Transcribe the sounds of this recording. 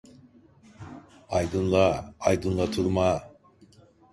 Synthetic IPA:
ajd̪ɯnlˠaːjd̪ɯnlˠat̪ʰuɾma

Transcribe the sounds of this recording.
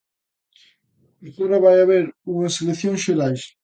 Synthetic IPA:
eɾt̪oɾɐβajaβeɾuŋɐseleθjõŋsʃeɾajs

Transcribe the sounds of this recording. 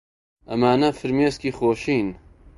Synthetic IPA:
ʔɐmaːnɐfɨɾmeːskiːxoːʃiːn

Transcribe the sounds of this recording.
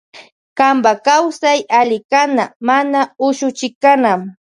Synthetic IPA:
kambakawsajalɪkanamanaʊʃʊt͡ʃɪkːanam

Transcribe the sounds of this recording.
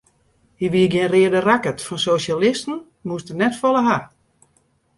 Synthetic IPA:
hiʋiəɡjɪnrɪədərakətfɔnsoːʃalɪstn̩ | mustənɛtfɔlˠəɦa

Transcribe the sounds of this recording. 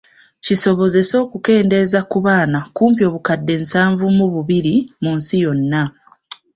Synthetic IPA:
ciso̞βo̞ze̞so̞ːkuke̞ːnde̞zakuβaːnakuːmpjo̞ːβukadːe̞nsaːɱvumuβuβiɾimunsijo̞nːa

